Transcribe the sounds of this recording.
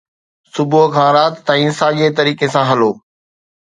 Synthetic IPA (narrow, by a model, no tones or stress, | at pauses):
sʊbokʰãːɾaːt̪ːãĩːsaːʄeːt̪ɐɾiːkesãːɦɐloː